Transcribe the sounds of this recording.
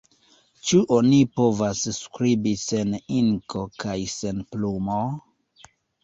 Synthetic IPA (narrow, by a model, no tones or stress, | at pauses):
t͡ʃuʔonipo̞vasskɾibise̞niŋkʰo̞kajsenplumo